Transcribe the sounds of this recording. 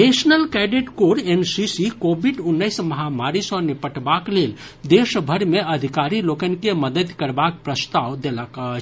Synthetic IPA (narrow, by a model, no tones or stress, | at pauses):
nesnəlkɛɖiʈkoɾensisikobʱiɖunːəɪsməɦamaɾisə̃nipəʈbaklel | d̪esbʱəɾmeəd̪ʱikaɾilokənikeməd̪əd̪kəɾbak̚pɾəst̪aʋd̪eləkə